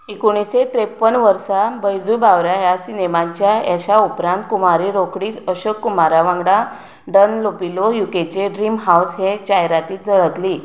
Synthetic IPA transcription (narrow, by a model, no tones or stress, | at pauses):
ekuɽ̃iset̪ɾepːənʋəɾsabəjd͡zubaʋɾajasinemãɲt͡ɕjajaɕaupɾãnt̪̚kumaɾiɾokɽiːsəɕəkːumaɾaʋãŋɡɽa | ɖənlopilojuket͡ɕeɖɾimɦawsɦet͡ɕajɾat̪iːt͡səɭək̪liː